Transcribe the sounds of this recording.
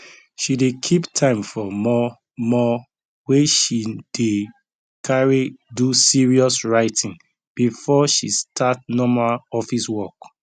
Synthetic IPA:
ʃidekʰiptʰãɪ̃mfɔmɔ | mɔ | weʃid̥e | kʰaɹidusiɹiɔsɹaɪtʰĩŋ | b̥ifɔʃistʰat̚nɔmaaɔfiswɔk

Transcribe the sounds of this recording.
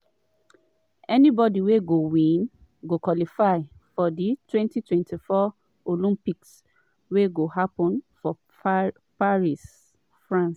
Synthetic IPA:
ɛnibɔdiweɡowĩn | ɡokwɔlifaɪ | fɔditwɛ̃ntitwɛ̃ntifɔ | olĩmpiks | weɡohapɔ̃nfɔ | paɹis | fɹãns

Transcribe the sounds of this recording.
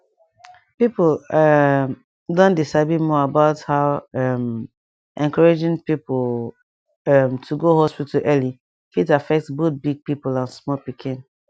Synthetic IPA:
pipl | m | dõndisabimɔabaʊthaʊɛm | ʔɛ̃nkʰaɹad͡ʒĩŋpipol | ɛmtʰuɡoɦɔspitəlʔɛli | fitafɛk̚tsbot̚biɡ̚pipulãnsmɔpikʰĩn

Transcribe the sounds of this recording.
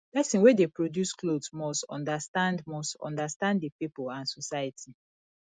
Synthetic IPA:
bɛsĩnwedepɹodjusklodsmɔstɔ̰̃ndastãndmɔstɔ̰̃ndastãnddəpipolãnsɔsajətʰi

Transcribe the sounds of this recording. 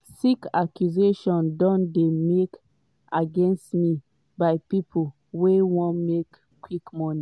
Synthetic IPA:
sikakjuzeʃɔ̃ndɔ̃ndemek | aɡɛ̃nstmi | baɪpipʰul | wewɔ̃nmek | kwikmɔni

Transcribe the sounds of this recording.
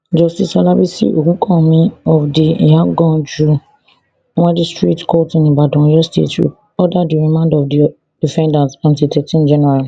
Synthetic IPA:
d͡ʒɔstisalabisḭʔokũkʰɔ̃mĩɔfdijaɡɔ̃d͡ʒu | wãdistɾitkɔtĩnĩbadɔ̃jɔstḛto̰ | ɔdadiɾĩmãndɔfdi | difɛ̃ndasɔ̃ntitɛtĩnd͡ʒɛnɛɾa

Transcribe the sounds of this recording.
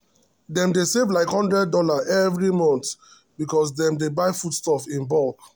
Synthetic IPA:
dɛ̃mdesevlaɪkhɔ̃ndɹɛd̚ːɔlaʔɛvɹimɔ̃nt | bikɔs̬dɛ̃mdebaɪfudstɔfĩnbɔlk

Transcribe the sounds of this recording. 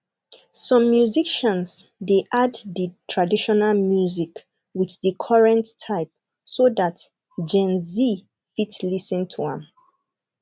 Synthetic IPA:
sɔ̃mːjuziʃə̃nsdeʔaddətʰɹadiʃɔnalmjuzik | wiθðəkʰɔɹɛ̃ntʰːaɪp̚ | soðat | d͡ʒɛ̃nzi | fitlisə̃ntʰuã̰m

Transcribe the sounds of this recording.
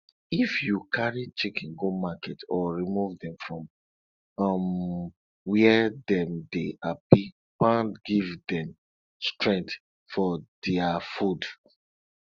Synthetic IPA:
ifjukʰaɹit͡ʃekĩnɡomakɛtɔɹimuvdɛ̃mfɹɔ̃m | ɔm | wiɛɛdɛ̃mdeʔapi | pãntɡivdɛ̃m | stɹɛ̃ŋ̚t | fɔdɛafud

